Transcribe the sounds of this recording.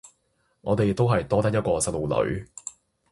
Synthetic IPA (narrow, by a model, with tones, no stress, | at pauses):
ŋɔ̰ː˨˧t̪e˨jt̪o˥wɦɐ˨jt̪ɔː˥t̪ɐ˥k̚jɐ˥t̚kɔː˧sɐ˧t̚lo˨wlɵ̰˨˥ɥ